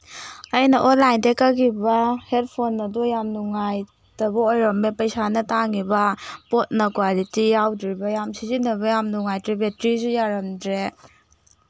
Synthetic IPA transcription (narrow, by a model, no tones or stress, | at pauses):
ɐjnɐʔonlajndekaɡibahed̚pʰonːɐdɔjamnuŋaj | dɐbaojɾɔmːepɐjsanɐtaŋibɐpot̚nɐkwalitijawdɾibɐjamsʰizinɐβɐjamnuŋajtɾibetɾizujaɾɐmdɾe